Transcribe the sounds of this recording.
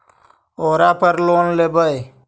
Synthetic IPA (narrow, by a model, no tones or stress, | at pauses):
oːɾaːpəɾloːnlebəj